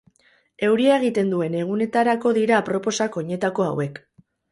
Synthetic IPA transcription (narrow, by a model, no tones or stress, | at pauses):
e̞wɾiaeɣ̞it̪e̞nd̪ue̞ne̞ɣ̞une̞t̪aɾako̞ðiɾapɾo̞po̞sako̞ɲe̞t̪ako̞a̰we̞k